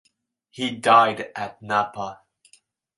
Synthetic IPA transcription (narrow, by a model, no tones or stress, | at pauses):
hidaɪɾʔɨt̚ⁿnapə